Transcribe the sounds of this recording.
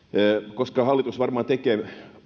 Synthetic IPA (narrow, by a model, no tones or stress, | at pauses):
koskɑhɑlːit̪usʋɑrmɑːt̪ekeː